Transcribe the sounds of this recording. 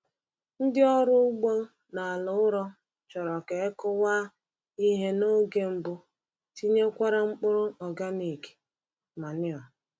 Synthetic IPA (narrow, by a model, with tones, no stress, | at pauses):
n̩˦dɪ˦ɔ˦ɾʊ˦u˦ɡ͡bo˦ | na˨lʊ˨˦ʊ˦ɾɔ˦ | t͡ʃɔ˨ɾɔ˨ke˨˦kʊ˦waː˦ | i˦ɦe˦no˦ɡe˨m̩˦bʊ˦ | ti˦ɲe˦kʷa˦ɾa˦ŋ͡m̩˦k͡pʊ˦ɾʊ˦ɔ˨ɡa˦ni˨ke̥˨ | ma˨nɪ˦ɔ˨